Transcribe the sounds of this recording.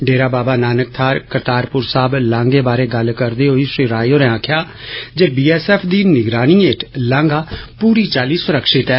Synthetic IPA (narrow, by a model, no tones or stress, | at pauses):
ɖeːɾaːbaːbaːnaːnək̚t̪ʰaːɾkəɾt̪aːɾpʊɾsaːblãːŋɡeːbaːɾeːɡəlkəɾd̪eːɦoːiːʃɾiːɾaːjoːɾɛ̃ːãːkʰjaː | d͡ʒeːbiːɛːsɛːpʰd̪iːnɪɡɾaːniːeːʈlãːŋɡaːpuːɾiːt͡ʃaːliːsʊɾəkʃɪt̪ɛː